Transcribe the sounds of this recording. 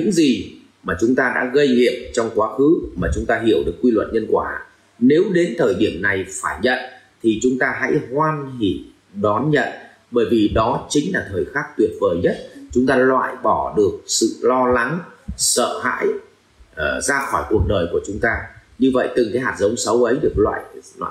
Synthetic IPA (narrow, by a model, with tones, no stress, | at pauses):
ɲɨ̰˧˥ŋzi˨˩ | maː˨˩t͡ɕʊ˨˦ŋ͡mt̪aː˧ɗa̰ː˧˥ɣə˧jŋḭ˧˨əm̚t͡ɕɔ˧wŋ͡mkwaː˨˦xɨ˨˦maː˨˩t͡ɕʊ˨˦ŋ͡mt̪aː˧ɦi˧˩əwɗɨ˨˩əkːwi˧lwə̰˧˨nɲə˧nkwaː˧˩ | ne˨˦wɗe˨˦nt̪ʰəː˨˩jɗi˧˩əmna˨˩jfaː˧˩jɲə̰˧˨n | t̪ʰi˨˩t͡ɕʊ˨˦ŋ͡mt̪aː˧ɦa̰˧˥jhwaː˧nhi˧˩ | ɗɔ˨˦nɲə̰˧˨n | ɓəː˧˩jvi˨˩ɗɔ˨˦t͡ɕï˨˦ŋ̟laː˨˩t̪ʰəː˨˩jxaː˦˥k̚t̪wi˨˩ət̚vəː˨˩jɲə˦˥t̚t͡ɕʊ˨˦ŋ͡mt̪aː˧lwa̰ː˧˨jɓɔ˧˩ɗɨ˨˩ək̚sɨ̰˧˨lɔ˧la˨˦ŋsə̰ː˧˨ɦa̰ː˧˥j | zaː˧xɔ˧˩jku˨˩ək̚ɗəː˨˩jku˧˩ət͡ɕʊ˨˦ŋ͡mt̪aː˧ɲɨ˧və̰˧˨jt̪ɨ˨˩ŋka˨˦jɦaː˨˩t̚zə˨˦wŋ͡msə˨˦wʔə˨˦jɗɨ˨˩ək̚lwa̰ː˧˨j